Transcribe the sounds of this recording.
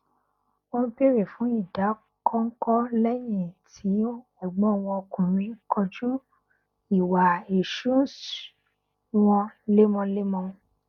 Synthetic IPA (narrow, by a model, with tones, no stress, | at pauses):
õ˦pe˦ɾe˨fũ˨˦i˦˨da˨˦ | kʰɔ̃˦ŋ̩˦kɔ˦lɛ˦j̃ĩ˦˨tʰi˨˦ | ɔ˦˨ɡ͡bɔ̃˨˦˨w̃ɔ̃˧o˧kũ˨ɾ̃ĩ˨˧˦kʰɔ˧d͡ʒu˦ | i˦˨wa˨e˨ʃũ˦˨s | w̃ɔ̃˧le˦mɔ̃˧le˦mɔ̃˧